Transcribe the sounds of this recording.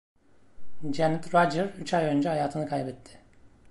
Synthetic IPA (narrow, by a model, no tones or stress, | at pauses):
d͡ʒɛnɛt̪ɾad͡ʒəɾyt͡ʃajø̞nd͡ʒɛhajaːt̪ʰɯnɯkʰajbɛt̪ʰːɪ̥